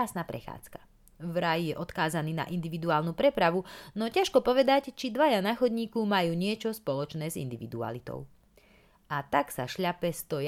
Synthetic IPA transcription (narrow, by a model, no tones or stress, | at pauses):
aːsnapɾɛ̰xa̰ːt͡skḁ | vɾajijɛʔɔt̪kaːzaniːna̰ʔind̪iʋid̪uaːlnupɾɛpɾaʋunɔcaʃkɔpɔʋɛd̪act͡ʃid̪ʋajanaːxɔd̪ɲiːkɔmajuːɲɪɛt͡ʃɔspɔlɔt͡ʃnɛːzḭnd̪iʋid̪ua̰lit̪ɔ̰ʊ | ʔat̪aksa̰ʃʎapɛst̪ɔj